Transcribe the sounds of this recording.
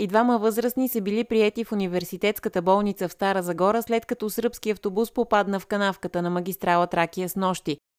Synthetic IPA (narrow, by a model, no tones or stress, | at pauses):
id̪vaməvɤzɾəsnisəbilipɾiɛt̪ifunivɛɾsit̪ɛt̪skət̪əbɔlˠnit̪səfst̪aɾəzɐɡɔɾəslɛt̪kɐt̪ɔsɾpskiɐft̪obuspopad̪nəfkɐnafkət̪ənɐməɡʲist̪ɾalˠət̪ɾak̟ijəsnɔʃt̪i